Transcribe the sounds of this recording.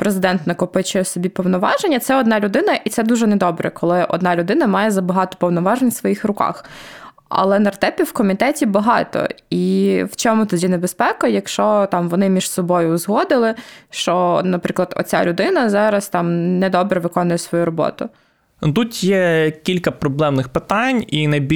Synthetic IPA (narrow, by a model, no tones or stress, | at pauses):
pɾezɪd̪ɛnt̪nɐkɔpɪt͡ʃɪɛsɔbʲipɔwnɔʋɑʒenʲːɐt̪sɛɔd̪nɑlʲʊd̪ɪnɐʔit̪sɛd̪uʒɛnɛd̪ɔbɾɛ̰kɔlˠɪʔɔ̰d̪nɑlʲʊd̪ɪnɐmɑjɛzɐbɐɦɑt̪ɔ̥pɔwnɔʋɑʒenʲsʋɔjixrʊkɑ̰x | ɐ̰lˠɛnɐrt̪ɛpʲiwkɔmʲit̪ɛtʲibɐɦɑ̰t̪ɔ̰iwt͡ʃɔmʊt̪ɔdʲinebespɛkɐjɐkʃt͡ʃɔt̪ɑmʋɔnɪmʲiʃsɔbɔjʊzɦɔd̪ɪlˠɪʃt͡ʃɔnɐpɾɪklˠɐd̪ɔ̰t͡sʲa̰lʲʊd̪ɪnɐzɑɾɐst̪ɑmnɛd̪ɔbɾɛʋɪkɔnʊjɛsʋɔjuɾɔbɔ̰t̪ʊ | t̪ut̪jɛkʲilʲkɐpɾɔblˠɛmnɪxpɪt̪ɑnʲinɐjbʲi